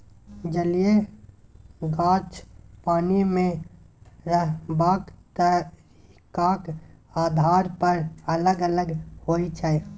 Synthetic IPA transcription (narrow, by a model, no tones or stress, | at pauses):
d͡ʒəlije | ɡãːt͡ʃpaːnimẽ | ɾəɦbaːkt̪əɾ | kakaːd̪ʱaːɾpəɾələɡələɡhoːit͡ʃʰɛe